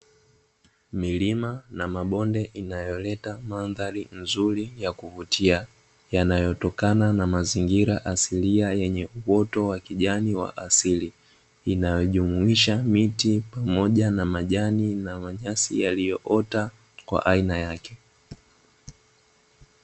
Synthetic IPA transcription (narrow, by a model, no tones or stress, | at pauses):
milimanamaɓɔndɛʔinajɔlɛtamanðaɾinzuɾijakuvutʰia | janajɔtɔkananamaziŋɡiɾaʔasiliajɛɲɛuwɔtɔwakiʄaniwa̰ʔasili | inajɔʄumuiʃamitipamɔʄanamaʄaninamaɲasḭjalijɔʔɔta | kwa̰ʔainajakɛ